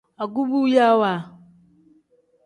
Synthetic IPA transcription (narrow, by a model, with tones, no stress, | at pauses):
a˨ɡu˦bu˦ja˦wa˨